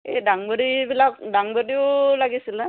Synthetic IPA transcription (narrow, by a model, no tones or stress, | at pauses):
edaŋbɔɾibilakdaŋbodiolaɡisila